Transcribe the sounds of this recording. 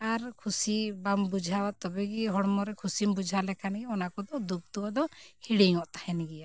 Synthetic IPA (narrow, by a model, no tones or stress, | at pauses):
aɾkʰusibambud͡ʒʱawaʔt̪ɔbɛɡiɦɔɽmɔɾɛkʰusimbud͡ʒʱalɛkʰanɡɛɔnakɔd̪ɔd̪uk̚t̪uwad̪ɔhiɽiŋɔʔt̪ahɛnɡɛja